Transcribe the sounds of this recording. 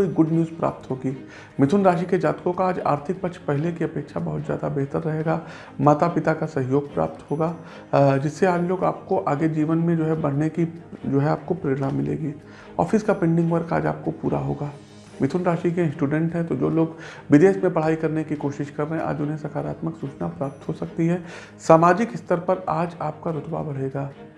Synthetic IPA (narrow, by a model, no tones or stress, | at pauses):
koiɡʊɖnjuːzpɾa̰ːp̚t̪ɦoːɡiː | mɪt̪ʰʊnɾaːʃiked͡ʒaːt̪kõkaaːd͡ʒa̰ːɾt̪ʰɪk̚pɐkʃʰpɛɦɪlekiɐpeːkʃabɐɦʊt̪zjaːd̪abeɦt̪əɾːɐɦeːɡaː | maːt̪apɪt̪akasɐɦɪjoːɡ̚pɾa̰ːp̚t̪ɦoːɡaː | d͡ʒɪsːeaːd͡ʒloːɡa̰ːp̚koʔaːɡed͡ʒiːʋənmẽd͡ʒoːɦɛbɐɽ̤nekid͡ʒoːɦɛaːp̚kopɾeːɾɽamɪlḛːɡiː | ɔ̰ːfɪskapẽːɳɖɪ̃ŋɡʋɐɾka̰ːd͡ʒa̰ːp̚kopuːɾa̰ɦoːɡaː | mɪt̪ʰʊnɾaːʃikẽsʈuːɖɛ̃ɳʈɦɛ̃t̪od͡ʒoːloːɡʋɪd̪eːsmẽpɐɽ̤aːikɐɾnekikoːʃɪʃkɐɾːəɦɛ̃ʔa̰ːd͡ʒʊnɦẽsɐkʰaːɾaːt̪məksuːt͡ʃnapɾaːp̚t̪ɦosɐk̚t̪iɦɛː | saːmaːd͡ʒɪkɦɪst̪əɾpɐɾaːd͡ʒaːp̚kaɾʊt̪ba̰bɐɽ̤eːɡaː